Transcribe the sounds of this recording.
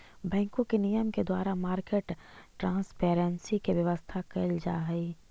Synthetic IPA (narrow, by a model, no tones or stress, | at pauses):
bɛ̃ːŋkõkenijəmked̪waːɾamaːɾkeːʈʈɾãːspeːɾənsikeʋjɐʋəst̪ʰakɐld͡ʒa̰ːɦiː